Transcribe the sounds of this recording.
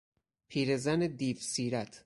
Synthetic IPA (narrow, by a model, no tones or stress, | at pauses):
pʰiːɾezæned̪iːfsiːɾæt̪ʰ